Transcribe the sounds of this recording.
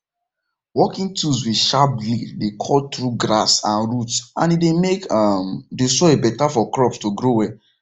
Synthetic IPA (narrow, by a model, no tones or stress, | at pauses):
wɔkĩŋtʰus̬wi̥ʃap̚liddekʰɔltɹuɡɹa̰sãnɹutsãnidemekamdesɔebɛtafɔkɹɔpstoɡɾowɛ